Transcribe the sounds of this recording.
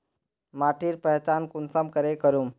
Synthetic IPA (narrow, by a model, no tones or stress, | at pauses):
maːʈiːɾpəɦt͡ʃaːnkʊnsəmkəɾekəɾum